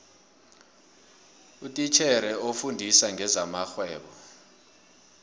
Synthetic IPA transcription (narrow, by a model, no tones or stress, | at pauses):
utʼit͡ʃʰɛɾɛofundʱisaŋɛzamaxwɛːɓɔ